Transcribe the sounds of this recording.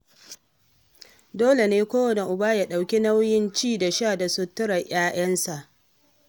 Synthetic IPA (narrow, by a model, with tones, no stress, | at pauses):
doː˦le˨neː˦kʷoː˦wɐ˨ne˨ʔʊ˨baː˦ja˨ɗa˨wkʲi˦na˦wjɪ˦nt͡ʃiː˦˨da˨ʃaː˦˨da˨sʊ˦tːʊ˦ɽɐ˨j̰aː˦j̰ɐ˦nsa˨ʔ